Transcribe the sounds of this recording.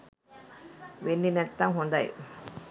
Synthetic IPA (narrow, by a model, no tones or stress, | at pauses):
wenːinɛt̪ːaŋɦund̪a̰j